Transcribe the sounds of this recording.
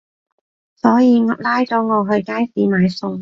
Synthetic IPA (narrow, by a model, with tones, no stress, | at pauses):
sɔː˨˥jiː˨˧ŋɐ˨˧p̚laː˥jt͡sɔː˨˥ŋɔː˨˧ɦɵ˧ɥkaː˥jsiː˨˥maː˨˧jsʊ˧ŋ